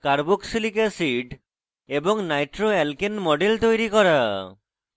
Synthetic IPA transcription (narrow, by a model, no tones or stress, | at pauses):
kaɾbuksilikesiɖ | ebɔŋnajʈɾoɛlkenmɔɖelt̪ojɾikɔɾa